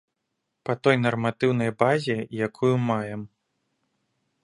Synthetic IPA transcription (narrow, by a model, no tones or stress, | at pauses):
pɐt̪ɔjnɐrmat̪ɨwnɐjbazʲɛjakʰujumajɛm